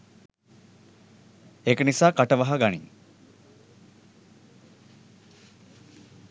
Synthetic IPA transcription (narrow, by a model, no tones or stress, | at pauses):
ekənisaːkaʈəʋaɦaɡanḭ